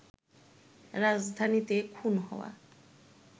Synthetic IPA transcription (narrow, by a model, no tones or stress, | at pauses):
ɾazd̪ʱanit̪ekʰunɦɔ̰wa̰